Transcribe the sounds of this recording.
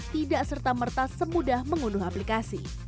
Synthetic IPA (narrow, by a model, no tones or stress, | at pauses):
t̪idaʔsərt̪amərt̪asəmudahməŋulʊɦaplikasḭ